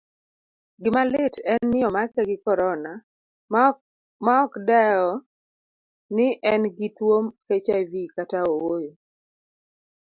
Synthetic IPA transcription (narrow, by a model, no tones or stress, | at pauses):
ɡɪmalɪtɛnːɪɔmakɛɡɪkɔɾɔna | maɔkdɛɔ | nɪʔɛnɡɪtwomket͡ʃajvikataowojo